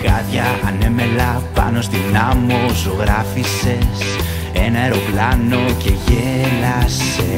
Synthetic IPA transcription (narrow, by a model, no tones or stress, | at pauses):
kɐðʝɐːneme̞lɐpɐ̰no̞st̪inamosoɣɾɐfise̞s | enɐe̞ɾo̞plɐno̞ce̞ʝelɐs | e